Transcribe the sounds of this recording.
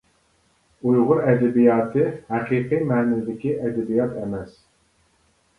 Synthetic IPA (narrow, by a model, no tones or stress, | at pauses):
ujʁʊɾɛd̪ɛbijɑːt̪ʰɨhæqiːqimɛːnɪd̪ɪkʲiʔɛd̪ɛbijɑt̪ʰɛmɛs